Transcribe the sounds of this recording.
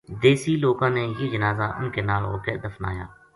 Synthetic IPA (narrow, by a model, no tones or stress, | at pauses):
d̪eːsiːloːkãːneːjid͡ʒənaːzaːʔʊ̰nkeːnaːlɦo̰ːked̪əfna̰ːja̰ː